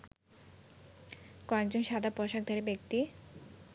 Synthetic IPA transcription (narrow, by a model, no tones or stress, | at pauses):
kɔekd͡ʑonʃad̪ʱapɔʃak̚d̪ʱaɾebekt̪i